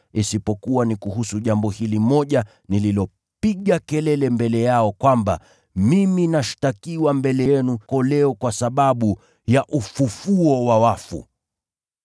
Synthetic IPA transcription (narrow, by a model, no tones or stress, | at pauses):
isipɔkuwanikuhusuʄambɔhilimɔʄa | nililɔ | piɠakɛlɛlɛmbɛlɛjaɔkwamba̰ | miminaʃtakiwambɛlɛjɛnukɔlɛɔkwasaɓaɓu | jaʔufufuɔwawafṵ